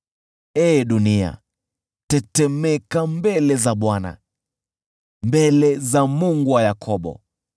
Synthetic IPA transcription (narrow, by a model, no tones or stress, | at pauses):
ɛːɗunia̰ | tɛtɛmɛkambɛlɛzaɓwana̰ | mbɛlɛzamuŋɡuwajakʰɔɓɔ̰